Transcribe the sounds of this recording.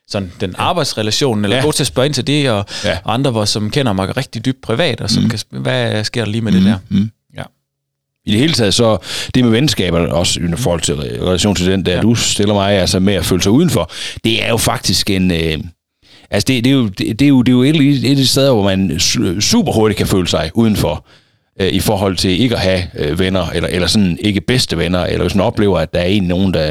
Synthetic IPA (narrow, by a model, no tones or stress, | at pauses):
sɒ̽nd̥enɑ̈ːb̥ɑ̈ɪd̥sʁɛlæɕo̝̰ːn̩elɐ̥ɔ̽ːt͡sʰe̝ɐsb̥ɶɐe̝nt͡sʰed̥e̝ɒɑ̈nd̥ʁɐʋɒsɒ̽mkʰen̰ɐmɑ̈ɪʁɛɡ̥̚d̥id̥yb̥̚d̥̚pʰʁiʋɛ̰ːd̥ɒ̽sɒmkʰæʋæsɡ̥e̝ɐ̰̥ɑliːmed̥ehæɐ | id̥ehe̝ːlət͡sʰɛːðˠsɒ̽d̥e̝meʋen̩sɡ̥ɛ̰ːb̥ɐɒ̽sifɒːhɒ̽l̰t͡sʰe̝lʁɛlæɕo̰ːnt͡sʰe̝ld̥end̥æɐd̥usd̥elɐmɑ̈ɪælsəmeæfø̰ːləsɑ̈ɪuːð̞ˠn̩fɒ̽d̥e̝æɐjo̝fɑ̈ɡ̥̚d̥isɡ̥e̝nø | ʔælsəd̥e̝d̥e̝jo̝d̥ed̥e̝jo̝d̥e̝jo̝eɾiedisd̥eð̞ˠɐʋɒmænsṵːb̥ɐho̝ɐɾ̥i̥kʰæfø̰ːləsɑ̈ɪʔuð̞ˠn̩fɒ | øʔifɒ̰ːɦɒ̽l̰t͡sʰe̝le̝ɡ̥əɒɦæøʋenɐʔelɐʔelɐsɒ̽ne̝ɡ̥əb̥esd̥əʋenɐʔḛlɐʋesmænɒ̽b̥le̝̰ːʊɐæd̥ɑ̈æɐe̝̰ːnlino̝ːn̩d̥æ